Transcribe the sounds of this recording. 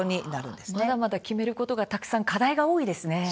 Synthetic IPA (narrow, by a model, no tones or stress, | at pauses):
oɲ̟inaɾɯ̟̰̃nd̪̥esmnad̪amad̪akʲime̞ɾɯ̟ko̞t̪o̞ɡat̪akɯ̥sãŋkad̪aiɡao̞ːid̪e̞sɨne̞